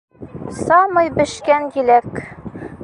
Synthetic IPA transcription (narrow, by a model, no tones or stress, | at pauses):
sɑmɤjbɘ̆ʃkænjilæk